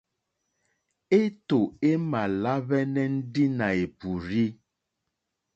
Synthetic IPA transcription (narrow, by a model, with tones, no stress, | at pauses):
e˦t̪o˨e˦mã˨la˦βɛ˦nɛ̃˦n̩˦ɖi˦nã˨e˨pu˨ɾi˦